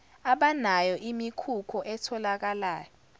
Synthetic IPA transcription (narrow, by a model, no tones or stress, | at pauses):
aɓanajɔʔimikʰukʰɔʔɛtʰɔlak̬alaːjɔ